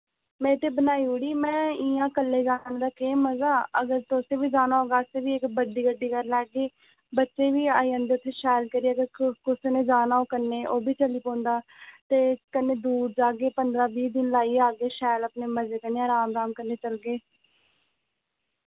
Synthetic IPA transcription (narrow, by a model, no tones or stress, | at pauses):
mɛ̃ːt̪eːbənaːiːoːɽiːmɛ̃ːiːãːkəlːeːd͡ʒaːnand̪aːkeːməzaːəɡəɾt̪oːseːbiːd͡ʒaːnaːɦoːɡaːseːʋiːɪkbəɖiːɡəɖːiːkəɾlɛːɡiː | bətːʃeːʋiːa̰ːiːə̃ːnd̪eːʊt̪ʰːeːʃɛːlkəɾiːəɡəɾkʊsnẽːd͡ʒaːnaːoːkənːeːʔoːbʱiːt͡ʃəliːpõːnd̪aːt̪eːkənːeːd̪uːɾd͡ʒaːɡeːpənd̪ɾaːbiːd̪ɪnlaːiːaːɡeːʃɛːləpneːməzeːkəneːaːɾaːmɾaːmkənːeːt͡ʃəlɡeː